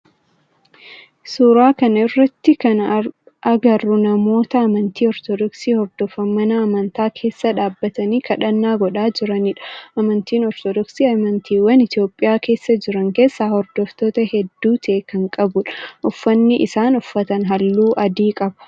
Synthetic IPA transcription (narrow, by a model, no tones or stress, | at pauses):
suːɾaːkɐnɐɪrːɐt̪ːɪkɐn | ʔɐɡɐrːʊnɐmo̞ːt̪ɐːmɐnt̪iːɔɾt̪ɔd̪ɔksiːhɔbd̪ɔfɐmːɐnɐːmɐnt̪aːkʰe̞ːsːɐᶑaːbːɐt̪ɐniːkɐᶑɐnːaːɡɔᶑaːd͡ʒɪɾɐnɪᶑɐ̥ʔɐmɐnt̪iːnɔɾt̪ɔd̪ɔksiːɐmɐnt̪iːwɐnɪt̪jo̞ːpʼːɪjaːke̞ːsːɐd͡ʒɪɾɐŋke̞ːsːaːhɔɾd̪ɔft̪o̞ːt̪ɐhɛd̪ːuːt̪ʰɛekɐŋkʼɐbʊᶑʔʊfːɐnːɪʔɪsaːnʊfːɐt̪ɐnɦɐlːuːʔɐd̪iːkʼɐbɐ̥